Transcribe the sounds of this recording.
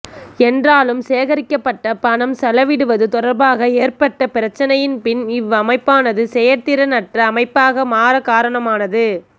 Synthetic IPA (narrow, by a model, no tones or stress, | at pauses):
ɛndraːlɯmseːɣɐɾɪkːɐpːɐʈːɐpɐɳɐmsɐlɐʋɪɽɯʋɐðɯt̪ɔɽɐɾbaːɣɐeːrpɐʈːɐpɪɾɐt͡ʃːɐnɐjɪnpɪnɪʋɐmɐɪpːaːnɐðɯsɛjɐɾt̪ɪɾɐnɐʈrɐːmɐɪpːaːɣɐmaːɾɐkaːɾɐɳɐmaːnɐðɯ